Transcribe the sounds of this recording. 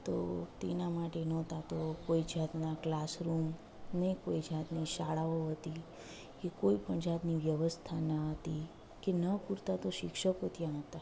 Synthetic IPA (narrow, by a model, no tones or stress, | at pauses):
t̪o̰t̪enamaʈenɔ̃t̪at̪okoid͡ʒat̪naklasɾum | nəikoid͡ʒat̪niʃaɭaoɦət̪i | kekoipəɳd͡ʒat̪niʋjəʋəst̪ʰanaɦət̪i | kenəpuɾt̪at̪oʃɪkʃəkot̪jãɦət̪a